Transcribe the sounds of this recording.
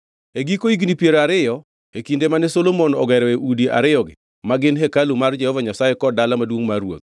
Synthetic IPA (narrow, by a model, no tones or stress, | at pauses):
eɡikoiɡnipjeɾoaɾɪjɔ | ekindemanɛsolomonɔɡɛɾɔeʔudiʔa̰ɾɪjɔɡɪ̰ | maɡɪnɦɛkalumard͡ʒɛhɔvaɲasajekɔdalamadwoŋmarwo̰t̪̚